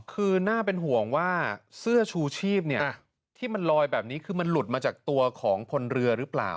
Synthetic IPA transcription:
kʰɯː˧naː˥˩pe˧nɦu˨˩˦əŋwaː˥˩sɯ˥˩ɐt͡ɕʰuː˧t͡ɕʰiː˥˩p̚ni˥˩ə | t̪ʰiː˥˩ma˧nlɔː˧jbɛː˨˩p̚niː˦˥kʰɯː˧ma˧nlu˨˩t̪̚maː˧t͡ɕaː˨˩k̚t̪u˧ɐkʰɔː˩˦ŋpʰo˧nɾɯ˧ɐɾɯ˦˥pla̰ː˨˩w

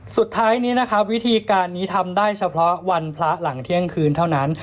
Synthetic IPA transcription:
su˨˩t̪ʰːaː˦˥jniː˦˥na˦˥kʰa˦˥wi˦˥t̪ʰiː˧kaː˧nːiː˦˥t̪ʰa˧mdaː˥˩jt͡ɕʰa˧pʰɾɔ˦˥wa˧npʰla˦˥la˩˦ŋt̪ʰi˥˩əŋkʰɯː˧nt̪ʰa˥˩wna˦˥n

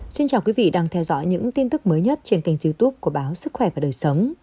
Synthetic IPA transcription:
t͡ɕi˧nt͡ɕaː˨˩wkwi˨˦vḭ˧˨ɗaː˧ŋt̪ʰɛ˧wzɔ̰˧˥jɲɨ̰˧˥ŋt̪i˧nt̪ɨ˦˥k̚məː˨˦jɲə˦˥t̚t͡ɕi˧˩ənt̪a˨˩ŋ̟zi˧wt̪u˦˥p̚ku˧˩əɓaː˨˦wsɨ˦˥k̚xwɛ˧˩vaː˨˩ɗəː˨˩jsə˨˦wŋ͡m

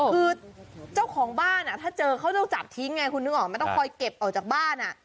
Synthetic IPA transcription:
ɯː˧t͡ɕa˥˩wkʰɔː˩˦ŋbaː˥˩nʔa˨˩t̪ʰaː˥˩t͡ɕɤː˧kʰa˦˥wɔ˥˩ŋt͡ɕa˨˩p̚t̪ʰi˦˥ŋːa˧jkʰu˧nɯ˦˥˩ʔɔː˨˩ŋma˧nt̪ɔ˥˩ŋkʰɔː˧jke˨˩p̚ʔaɔ˨˩wt͡ɕaː˨˩k̚baː˥˩nʔa˨˩ʔ

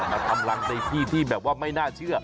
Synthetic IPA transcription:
ma˧nkʰa˧mla˧ŋna˧jt̪ʰiː˥˩t̪ʰiː˥˩bɛː˨˩p̚waː˥˩ma˥˩jnaː˥˩t͡ɕʰɯ˥˩ɐ

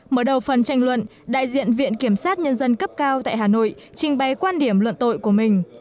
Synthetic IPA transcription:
məː˨˩ɗə˨˩wfə˨˩nt͡ɕa˧jŋ̟lwə̰˧˨n | ɗa̰ː˧˨jzḭ˧˨ənvḭ˧˨ənki˧˩əmsaː˦˥t̚ɲə˧nzə˧nkə˦˥p̚kaː˧wt̪a̰ː˧˨jɦaː˨˩no̰˧˨jt͡ɕï˨˩ŋ̟ɓa˨˩jkwaː˧nɗi˧˩əmlwə̰˧˨nt̪o̰˧˨jku˧˩əmï˨˩ŋ̟

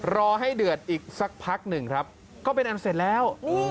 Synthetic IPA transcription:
ɾɔː˧ɦa˥˩jdɯ˨˩ət̪̚ʔiː˨˩k̚sa˨˦˩k̚pʰa˦˥k̚nɯ˨˩ŋkʰɾa˦˥p̚ | kɔː˥˩p̬e˧nʔa˧n˧se˨˩t̪̚lɛː˦˥w

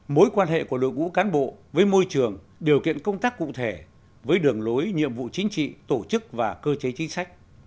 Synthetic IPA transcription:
mo˨˦jkwaː˧nɦḛ˧˨ku˧˩əlo̰˧˨k̚ŋṵ˧˥kaː˨˦nɓo̰˧˨vəː˨˦jmo˧jt͡ɕɨ˨˩əŋ | ɗi˨˩əwkḭ˧˨ənkə˧wŋ͡mt̪aː˦˥kːṵ˧˨t̪ʰe˧˩ | vəː˨˦jɗɨ˨˩əŋlo˨˦jɲḭ˧˨əmvṵ˧˨t͡ɕï˨˦ŋ̟t͡ɕḭ˧˨t̪o˧˩t͡ɕɨ˦˥k̚vaː˨˩kəː˧t͡ɕe˨˦t͡ɕï˨˦ŋ̟sa˦˥jk̟̚

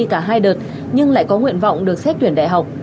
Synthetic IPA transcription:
i˧kaː˧˩ɦaː˧jɗəː˨˩t̚ | ɲɨ˧ŋla̰ː˧˨jkɔ˨˦ŋwḭ˧˨ənva̰˧˨wŋ͡mɗɨ˨˩ək̚sɛ˦˥t̚t͡ɕwi˧˩ənɗa̰˧˨jɦa˨˩wk͡p̚

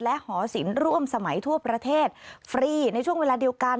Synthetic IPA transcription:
lɛ˦˥ʔhɔː˩˦si˩˦nɾu˥˩əmsa˧ma˩˦jt̪ʰu˥˩əpɾa˧t̪ʰeː˥˩t̪̚fɾiː˧na˧jt͡ɕʰu˥˩əŋweː˧laː˧di˧əwka˧n

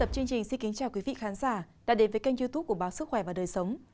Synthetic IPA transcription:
ə˨˩p̚t͡ɕɨ˧əŋt͡ɕï˨˩ŋ̟si˧nki˨˦nt͡ɕaː˨˩wkwi˨˦vḭ˧˨xaː˨˦nzaː˧˩ | ɗa̰ː˧˥ɗe˨˦nvəː˨˦jka˧jŋzi˧t̪u˦˥p̚ku˧˩ɓaː˨˦wsɨ˦˥k̚xwɛ˧˩vaː˨˩ɗəː˨˩jsə˨˦wŋ͡m

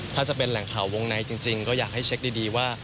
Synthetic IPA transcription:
t̪ʰaː˥˩t͡ɕa˨˩pe˧nlɛ˩˦ŋkʰaː˨˩wo˧ŋna˧jt͡ɕi˧ŋt͡ɕi˧ŋkɔː˥˩jaː˨˩k̚ha˥˩jt͡ɕʰe˦˥k̚diː˧diː˧waː˥˩

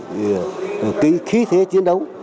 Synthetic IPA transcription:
ki˨˧˦xi˨˦t̪ʰe˨˦t͡ɕi˨˧˦ənɗə˨˦w

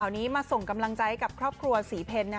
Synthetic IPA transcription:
a˩wniː˦˥maː˧so˨˩ŋka˧mla˧ŋt͡ɕa˧˥jka˨˩p̚kʰɾɔː˥˩p̚kʰɾu˧ɐsiː˩˦pʰe˧nːa˦

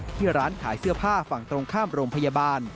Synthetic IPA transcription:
t̪ʰiː˥˩ɾaː˦˥nkʰaː˩˦jsɯ˥˩ɐpʰaː˥˩fa˨˩ŋt̪ɾo˧ŋkʰaː˥˩mɾoː˧mpʰa˧ja˧baː˧n

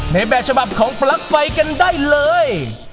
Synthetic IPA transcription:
na˧˩jbɛː˨t̚t͡ɕʰa˧ba˨˩p̚kʰɔː˩˦ŋpla˦˥k̚fa˧jka˧ndaː˥˩jlɤː˧j

